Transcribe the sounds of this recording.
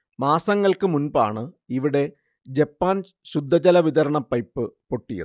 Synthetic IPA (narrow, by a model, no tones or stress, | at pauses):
maːsɐŋːɐɭkɨmunba̰ːɳɨ | iʋiɽe̞ | d͡ʑepːaːn | ɕud̪ʱːɐt͡ɕɐlɐʋiðɐɾɐɳɐpːɐjpːɨpo̞ʈːijɐ̰ðɨ